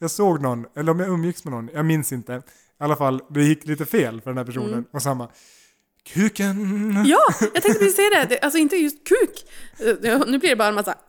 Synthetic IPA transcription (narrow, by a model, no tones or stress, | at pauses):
jɑːɡsoːɡnɔnːɛlːəɾɔmjaɵmːjɪksmɛnɔnːjɑːɡmɪnsɪnt̪ə | alːafalːd̪ɛjɪkːliːt̪əfeːlfœɖɛnhæɾpʰæʂuːnənɔsamːa | kʰʉ̟ːkənjɑːjɑɡt̪ʰɛkt̪əʋɪseːd̪ɛd̪ɛʔals̬ɔɪnt̪əjɵst̪kʰʉ̟ːk̪ː | nʉ̟ːblɪɾɖɛbɑːɾamasːa̰